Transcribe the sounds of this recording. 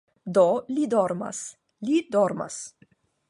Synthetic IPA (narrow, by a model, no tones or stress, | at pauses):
d̪olid̪oɾma̰s | lid̪oɾma̰s